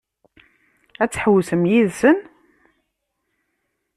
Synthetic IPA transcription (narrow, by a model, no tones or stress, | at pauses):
æt͡sːħəwsəmjiðsən